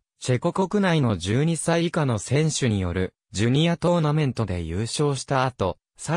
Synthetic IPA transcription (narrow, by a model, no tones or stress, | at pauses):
t͡ɕe̞ko̞ko̞kɯ̟naino̞d͡ʑɨːɲ̟isaiːkano̞sẽ̞ɰ̃ɕɨɲ̟ijo̞̰ɾɯ̟̰ | d͡ʑɨɲ̟iat̪o̞ːnamẽ̞nt̪o̞d̪e̞̰jɯːɕo̞ːɕi̥t̪aːt̪o̞ | sa